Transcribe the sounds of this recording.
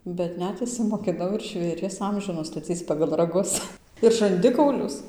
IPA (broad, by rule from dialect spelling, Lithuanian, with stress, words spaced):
bʲɛt ˈnʲɛt ɪʃʲsʲɪmoːkʲɪˈnɐʊ ɪr ʒʲʋʲeːˈrʲiɛs ˈɐmʲʒʲuː nʊstɐˈt͡sʲiːt͡s pɐɡɐlˠ rɐˈɡʊs ɪr ʒɐnʲˈdʲɪkɐʊlʲʊs